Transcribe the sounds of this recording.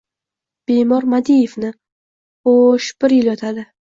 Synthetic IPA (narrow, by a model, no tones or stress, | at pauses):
b̥emɒɾmad̪ijevnɪ | oʃb̥ɪɾjɪljɒt̪ʰad̪ɪ